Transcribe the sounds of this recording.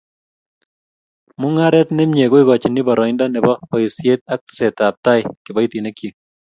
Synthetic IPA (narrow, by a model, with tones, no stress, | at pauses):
mʊ˦ŋa˦ɾɛ˦tnɪ˦mɲe˨ɣo˦i˦ɡɔ˨t͡ʃi˨ni˦bɔ˨ɾɔ˨ɪnda˦nɛ˨bɔ˦pɔ˦ɪsje˦t̪̚a˦k̚tsɛ˨ta˨p̚ta˦ɪkɪ˨bɔ˦i˦ti˨ne˦kji˨